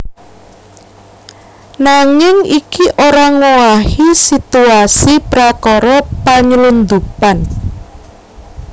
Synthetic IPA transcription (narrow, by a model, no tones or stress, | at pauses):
naŋɪŋikiʔoɾaŋuahisit̪uasipɾakɔɾɔpaɲlund̪upan